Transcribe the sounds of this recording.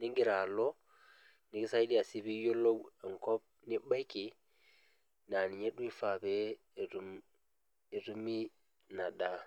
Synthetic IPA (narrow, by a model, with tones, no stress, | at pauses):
ni˦ŋɡi˦ɾa˨lo˦ | ni˦ki˦sa˦jdi˦a˨si˦bi˦jo˦lo˦we˨ŋko˦p̚ni˦ba˦jki˨ | na˨ni˨ɲe˦ɗu˦i˦fa˨be˦˨ | ɾum | e˨ɾu˦mi˦ | na˨da˦